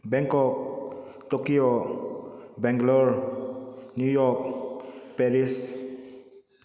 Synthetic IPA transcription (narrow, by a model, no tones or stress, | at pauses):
bɛŋkɔk̚ | tokio | bɛŋɡlɔɾ | njujɔk̚pɛɾis